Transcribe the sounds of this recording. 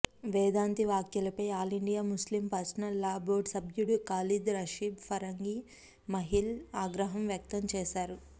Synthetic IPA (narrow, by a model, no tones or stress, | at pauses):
ʋɛːd̪aːnt̪iʋaːkjɐlɐpɐjaːliɳɖijaːmuslimpɐɾsɐnɐlːaːboːɖsɐbʱjuɽukaːlid̪ɾɐʃiːbpʰɐɾɐŋɡi | mɐɦilaːɡɾɐɦɐmʋjɐk̚t̪ɐmt͡ʃɛːʃaːɾu